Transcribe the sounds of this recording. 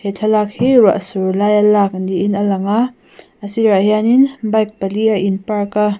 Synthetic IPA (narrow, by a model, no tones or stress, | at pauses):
hetʰɐlak̚hiɾa̰ʔsuɾlajalak̚ndiːnɐlɐŋa | ɐsiɾajaninbajk̚pɐliaʔinpaɾka